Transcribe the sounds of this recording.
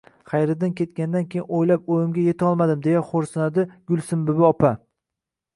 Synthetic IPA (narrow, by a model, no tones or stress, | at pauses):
χajɾɪd̪ɪnkʲʰe̞t̪̚kʲand̪ankʲʰejɪnojlap̚ojɪmɡʲaje̞t̪ʰɒlˠmad̪ɪmd̪e̞jaχoɾsɪnad̪ɪɡʲʊlˠsɪmbɪbɪɒpʰa